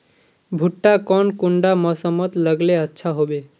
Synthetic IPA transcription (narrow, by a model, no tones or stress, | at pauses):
bʱuʈːakɔnkuɳɖamɔsəmət̪ləɡleətːʃʰaɦobe